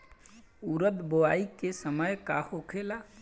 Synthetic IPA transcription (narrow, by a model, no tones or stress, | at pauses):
uɾəd̪boaikesəməjkahokʰela